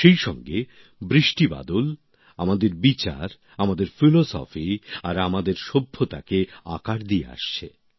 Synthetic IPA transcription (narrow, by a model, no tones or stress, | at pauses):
ʃejʃɔ̰ŋɡe | bɾiʃʈiba̰d̪ol | amad̪eɾbit͡ɕa̰ɾ | amad̪eɾfilosɔ̰fiaɾamad̪eɾʃobʱːot̪a̰keakaʈd̪ijḛa̰ʃt͡ɕʰe